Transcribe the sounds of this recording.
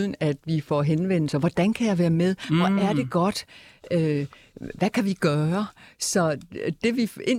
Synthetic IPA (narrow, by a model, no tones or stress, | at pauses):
ðˠən̩æd̥ʋifɒ̰ɦenʋen̰l̩sɐʋɒd̥ænkʰæjɑ̈ɪʋæːɐmeð̞ˠɒʔæɐd̥e̝ɡ̥ɒ̽d̥ø | ʋækʰæʋiɡ̥ɶːɐsɒ̽d̥e̝ʋie̝